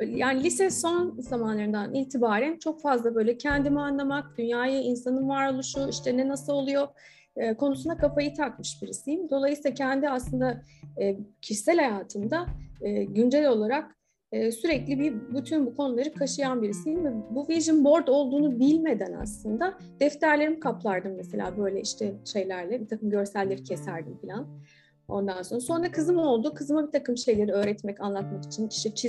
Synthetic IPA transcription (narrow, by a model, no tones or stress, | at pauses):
jaːnilʲisɛso̞nzamanlˠaɾɯnd̪aniːt̪ʰibaːɾænt͡ʃʰo̞kfazlˠabø̞jlʲɛcʰɛnd̪imianlˠamak̚d̪̥ynjaːjɯinsanɯnvaɾolˠuʃuiʃt̪ɛnɛnasɯlˠo̞lˠujo̞ | kʰo̞nusund̪akʰafajɯt̪ʰakmɯʃbiɾisijimd̪o̞lˠajsilˠacʰɛnd̪iaslˠɯnd̪aː | cʰiʃi̥sælʲhajaːt̪ʰɯmd̪aɯːɟynd͡ʒɛlʲo̞lˠaɾak̚ | ɯːsyɾɛclʲibibyt̪ʰynbukʰo̞nulˠaɾɯkʰaʃɯjanbiɾisijvɛbuviʒinbo̞ɾd̪o̞lˠd̪uːnubilʲme̞d̪æna̰slˠɯnd̪a | d̪̥ɛft̪ʰæɾlʲe̞ɾimkʰaplˠaɾd̪ɯmːɛse̞lʲa̰ːbø̞jlʲɛʔiʃt̪ʰɛʃe̞jlʲæɾlʲɛbit̪ʰakɯmɟø̞ɾsælʲːeɾicʰesæɾd̪imfilʲan | o̞̰nd̪anso̞nɾaso̞nɾakʰɯzɯmo̞lˠd̪ukʰɯzɯmabit̪ʰakɯmʃe̞jlʲe̞ɾiø̞ːɾɛt̪mɛcanlˠat̪maki̥t͡ʃʰinʃit͡ʃʰi